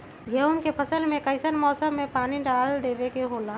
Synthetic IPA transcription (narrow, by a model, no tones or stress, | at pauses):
ɡʱəʊmkepʰəsəlmẽkəɪsənmɔːsəmːẽpaːniɖaːld̪eːbekeɦoːlaː